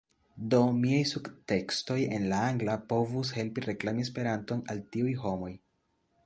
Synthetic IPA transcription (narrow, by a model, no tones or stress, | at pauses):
do̞miajsuɡte̞ksto̞je̞nlaaŋɡlapo̞vus̬he̞lpiɾe̞klamis̬pe̞ɾanto̞naltiujɦo̞mo̞j